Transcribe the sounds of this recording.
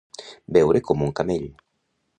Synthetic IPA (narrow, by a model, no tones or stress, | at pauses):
bɛwɾʔekomuŋkameʎ